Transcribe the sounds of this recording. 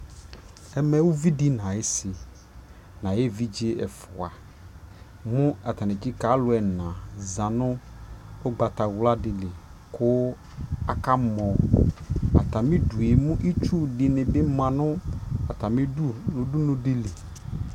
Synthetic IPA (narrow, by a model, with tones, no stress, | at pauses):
ɛ˦mɛ˨wʊ˦vi˦dɪ˦nã˨ɪ˦sɪ˨ | nã˨je˦vi˦d͡ʒe˦ɛ̰˨fʊ˨a˨ | mʊ̃˦a˨ta˨nɪ˨d͡ʒɪ˦ka˨˦lʊ˨˦ɛ˨nã˨zã˨nʊ̃˦ | ʊ˦ɡ͡ba˨ta˨wla˦dɪ˨lɪ˨ | kʰʊ˦ | a˨ka˦mɔ˨ | a̰˨ta˨mɪ̃˦du˨e˨mʊ̃˦ʔi˦t͡ʃu˦dɪ˨nɪ̃˨bɪ˦mã˨nʊ̃˦a˨ta˨mɪ˦nʊ˨dʊ˦nʊ̃˦dɪ˦lɪ˨